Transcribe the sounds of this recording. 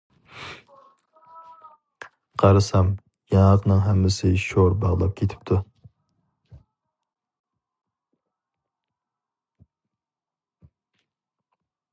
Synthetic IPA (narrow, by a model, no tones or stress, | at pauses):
qʰɑɾɨsɛm | jɑŋlˠəqnɨŋɦɛmːɪsɪʃoɾbɑʁlˠɑp̚kʲʰet̪ʰɪ̥p̚t̪ʰu